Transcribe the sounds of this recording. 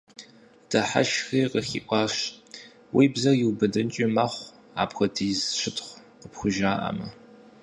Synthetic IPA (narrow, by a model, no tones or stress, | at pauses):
d̥ʰɐħa̰ʃxiːqəxḭːʔʷʼɑːɕ | wiːbzɐjiwbɐdɨnt͡ʃʼɪmɐχʷ | a̰ːpxʷɐtʰizʃɪtʰʼχʷ | qəpxʷʊʒaːʔɐ̰mɐ